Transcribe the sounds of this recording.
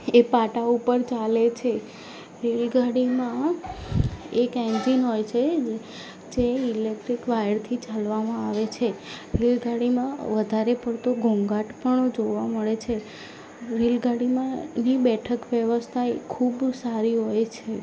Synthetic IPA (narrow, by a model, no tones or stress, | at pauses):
epaʈaupəɾt͡ʃalet͡ʃʰe | ɾelɡaɽimã | ekɛ̃nd͡ʒinɦojt͡ʃʰe | d͡ʒeilek̚ʈɾikʋajəɽt̪ʰit͡ʃalʋamãaʋet͡ʃʰeɾelɡʱaɽimãʋəd̪ʱaɾepəɾt̪oɡʱoŋɡaʈpəɳd͡ʒoʋaməɭet͡ʃʰe | ɾelɡʱaɽimãnibɛʈʰəkʋjəʋəst̪ʰajkʰubsaɾiɦojt͡ʃʰe